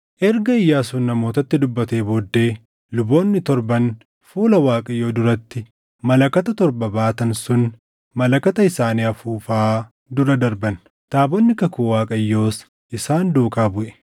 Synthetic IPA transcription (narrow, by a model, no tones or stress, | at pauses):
ʔɛɾɡɐɪjːaːsʊnːɐmo̞ːt̪ɐt̪ːɪd̪ʊbːɐt̪e̞ːboːd̪ːe̞ː | lʊbo̞ːnːɪt̪ɔɾbɐn | fuːlɐwaːkʼɐjːo̞ːd̪ʊɾɐt̪ːɪ | mɐlɐkɐt̪ɐt̪ɔɾbɐbaːt̪ɐnsʊn | mɐlɐkɐt̪ɐɪsaːniːɐfuːfaː | d̪ʊɾɐd̪ɐɾbɐn | t̪aːbɔnːɪkɐkuːwaːkʼɐjːo̞ːs | ʔɪsaːnd̪uːkaːbʊʔɛ̥